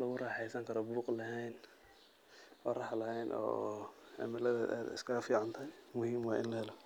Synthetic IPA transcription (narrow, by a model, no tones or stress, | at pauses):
lɐɣʊrɑːħɛjsɐŋkʰɐɾɔbuːqlɐɦɛjn | ɔːrɑħlɐɦɛjnʔɔ̰ːɛ̰mɪlɐðɐaːd̪ɪ̰skʰɐɐfiːʕant̪ʰɐjmʊhiːmwɑːʔɪ̰nlɐhɛlɔ